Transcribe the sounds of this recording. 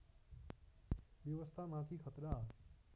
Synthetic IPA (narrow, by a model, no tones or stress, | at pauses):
ʋjəʋəst̪ʰaːmãt̪ʰiːkʰət̪ɾaː